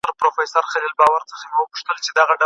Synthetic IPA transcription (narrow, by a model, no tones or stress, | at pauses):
əɾpɾofajsaɾxalilbɑwaɾt͡səxamewəpu̥ʂt̪əlt͡ʃed̪aɣaɖa